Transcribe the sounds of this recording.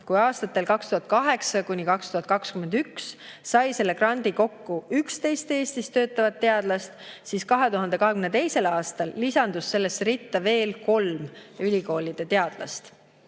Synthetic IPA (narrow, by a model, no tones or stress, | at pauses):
kujɑːst̪ɑt̪ːˑe̞lkɑkst̪uhɦɑt̪̚kɑɦe̞ksɑkunʲikɑkst̪uhɑt̪̚kɑkskyme̞nd̪ykssɑjse̞lːe̞krɑnd̪̥iko̞kːuykst̪e̞jst̪e̞ːst̪ist̪ø̞ːt̪ːˑɑvɑt̪ːe̞ɑd̪̥lɑst̪siːskɑɦe̞t̪uɦɑnd̪̥e̞kɑɦekymnt̪e̞jse̞lɑːst̪ɑlːisɑnd̪̥usːe̞lːe̞srit̪ːɑve̞ːlko̞lmylʲiko̞ːlid̪̥e̞t̪e̞ɑd̪̥lɑ̰st̪